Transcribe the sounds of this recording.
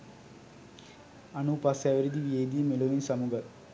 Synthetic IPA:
ɐnupasaʋiɾid̪iʋiejd̪ijmeloʋinsɐmuɡɐ

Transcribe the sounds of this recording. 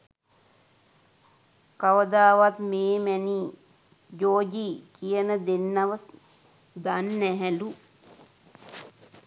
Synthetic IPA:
kaʋəd̪aːʋat̪meːmɛni | d͡ʒoːd͡ʒiːkijənəd̪enːaʋə | d̪anːæɦɛlu

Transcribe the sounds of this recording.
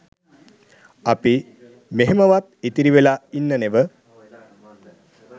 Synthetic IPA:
api | meɦemɐʋat̪̚it̪iɾiʋelainːəneʋə

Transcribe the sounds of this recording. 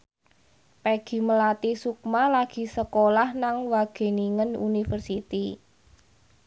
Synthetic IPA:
pɛɡ̥i̤məlat̪isuk̚malaɡ̥i̤səkolahnaŋwaɡ̥e̤niŋənṵnifərsit̪i

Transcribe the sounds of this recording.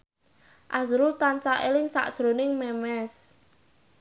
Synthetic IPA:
ʔazɾut̪ansaʔelɪŋsa̰ʔd̥ʒ̥ɾonɪŋmɛmɛs

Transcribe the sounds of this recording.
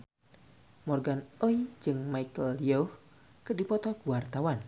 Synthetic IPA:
mɔrɡanojd͡ʒɨŋmaikəlijoh | kədipɔt̪ɔɡuwart̪awan

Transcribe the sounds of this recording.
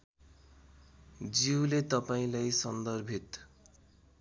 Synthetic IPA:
d͡ziwlet̪ʌpaĩlajsʌnd̪ʌrbʱit̪

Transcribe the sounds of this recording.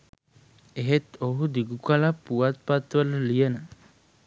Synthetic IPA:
eɦet̪oɦud̪iɡukalapuat̪̚pat̪alliəna

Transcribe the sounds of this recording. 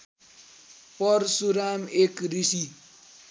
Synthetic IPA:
pʌɾsuɾamekɾisi

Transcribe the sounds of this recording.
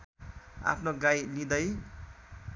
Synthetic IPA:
a̰pʰnoɡajnid̪ʌj

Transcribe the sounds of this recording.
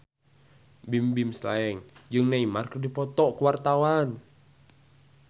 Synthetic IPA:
bimbimsla̰ɛŋd͡ʒɨŋnaimarkərdipɔt̪ɔʔkuwart̪awan

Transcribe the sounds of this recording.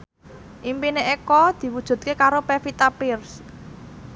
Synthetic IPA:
ʔimpineʔekɔd̪̥i̤wud̥ʒ̥ṳt̪̚kekaɾopefit̪apɪrs

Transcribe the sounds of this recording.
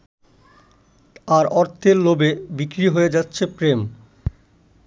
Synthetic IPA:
aɾɔɾt̪ʰeɾlobebikɾiɦoed͡ʑatːɕʰepɾem

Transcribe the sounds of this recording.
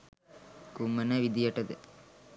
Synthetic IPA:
kumɐnɐʋid̪ijɐʈːɐd̪ɯ

